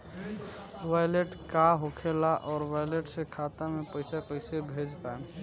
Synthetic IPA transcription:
wajleʈkaɦokʰelaʔɔːɾwajleʈsẽkʰat̪amepəɪsapəɪsebʱed͡ʒpaen

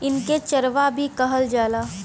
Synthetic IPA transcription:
ɪnket͡ʃəɾʋabʱikɐɦəld͡ʒaːlaː

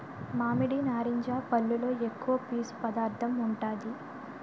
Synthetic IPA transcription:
maːmiɽinaːɾiɲd͡ʒaːpɐlːulo̞ːekːuʋɐpiːspɐd̪aːɾt̪ʰɐmuɳʈaːd̪i

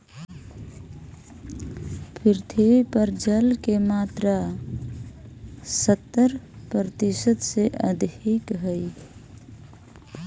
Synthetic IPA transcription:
pʰiɾt̪ʰiipəɾd͡ʒəlkemat̪ɾa | sət̪ːəɾpɾɾət̪isəd̪seʔəd̪ʱikɦəj

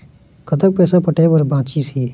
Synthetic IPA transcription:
kət̪ək̚pɛːsaːpəʈeːpəɾbãːt͡ʃiːsiː

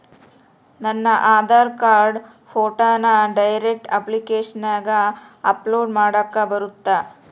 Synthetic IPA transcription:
nɐnːɐʔaːd̪ʱaːɾkaːɾɖ | pʰoːʈaːnɐɖɐjɾek̚ʈɐ̰plikeːʂɐnaːɡɐ | ɐploːɖmaːɽɐkːɐbɐɾut̪ːa

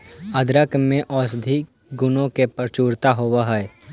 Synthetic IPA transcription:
ɐd̪ɾəkmẽʔɔːsd̪ʱi | ɡʊnõkepəɾt͡ʃuːɾt̪aɦowaɦɛː

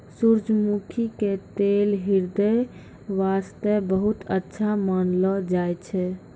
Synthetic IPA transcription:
suɾd͡ʒmukʰiket̪elɦiɾd̪əj | ʋast̪ɛbəɦut̪ətːʃʰamənlɔd͡ʒajt͡ʃʰɛ

